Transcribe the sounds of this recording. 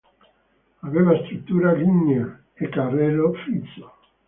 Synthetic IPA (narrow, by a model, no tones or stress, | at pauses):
aβevast̪ɾut̪ːuɾaɡiɲa | ekarelofiso̥